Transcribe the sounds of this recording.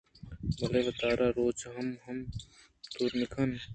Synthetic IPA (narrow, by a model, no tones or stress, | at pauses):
bɐleːʋɐt̪aːɾaːɾoːt͡ʃɦɐmɦɐm | t̪uɾmikʰɐn